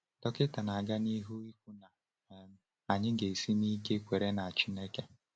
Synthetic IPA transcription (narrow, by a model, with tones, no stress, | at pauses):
tɔ˦kɪ˦ta˨na˨ɡa˦ni˦ɦu˦i˦kʷu˦na˨ | m˦ | a˨ɲɪ˦ɡe˨si˦ni˦ke˦kʷe˨ɾe˦na˨a˨t͡ʃi˦ne˦ke˦